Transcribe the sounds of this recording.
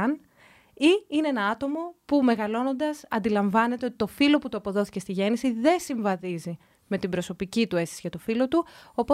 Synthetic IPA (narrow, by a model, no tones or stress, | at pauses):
n | iineenɐɐt̪o̞mo̞pume̞ɣɐlo̞no̞nd̪ɐsɐ̰nd̪ilɐɱvɐne̞t̪eot̪i̥t̪o̞filo̞put̪uɐpo̞ðo̞θicest̪iʝe̞nisiðe̞siɱvɐðizi | me̞t̪ibɾo̞so̞picit̪ue̞stisiʝɐt̪o̞filo̞t̪uopo